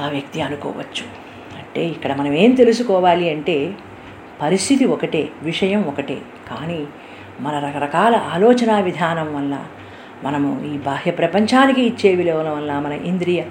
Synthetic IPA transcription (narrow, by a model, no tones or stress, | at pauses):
aːʋjɐk̚t̪iɐnukɔ̰ːʋɐ̰t͡ʃːu̥ | ɐɳʈe̞ːikːɐɽɐmɐnɐme̞ːmt̪elusukɔːʋaːliɐɳʈe̞ː | pɐɾist̪ʰit̪iɔkɐʈeːʋiʂɐjɐmɔkɐʈḛː | kaːniː | mɐnɐɾɐkɐɾɐkaːlɐʔaːlɔːt͡ʃɐnaːʋid̪ʱaːnɐmʋɐlːɐ̰ | mɐnɐmṵiːbaːɦjɐpɾɐpɐɲt͡ʃaːnikiːt͡ʃːe̞ːʋileːɐnɐʋɐlːaːmɐnɐʔind̪ɾijɐ